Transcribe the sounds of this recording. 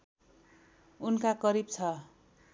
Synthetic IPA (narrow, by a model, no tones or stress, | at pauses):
unkakʌɾib̚t͡sʰʌ